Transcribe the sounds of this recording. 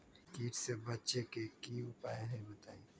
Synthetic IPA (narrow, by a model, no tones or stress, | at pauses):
kiːʈsebɐtːʃekekiʊpaːjeɦɛbɐt̪aːi